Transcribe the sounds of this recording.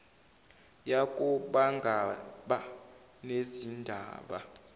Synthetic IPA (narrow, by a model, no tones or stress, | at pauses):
jakʼuɓaŋɡʱaɓa | nezindʱa̰ːɓa̰